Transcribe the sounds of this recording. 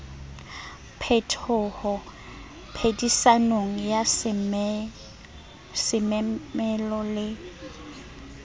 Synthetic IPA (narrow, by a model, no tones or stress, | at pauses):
pʰɛtʰɔːhɔ | pʰedisanoŋ̩jas | sɪmmɛlɔlɪ